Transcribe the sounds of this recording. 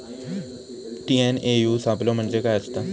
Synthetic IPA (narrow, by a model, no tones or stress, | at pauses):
ʈiːɛːneːjuːsaːblõːməɳd͡ʒekaat͡ʃt̪aː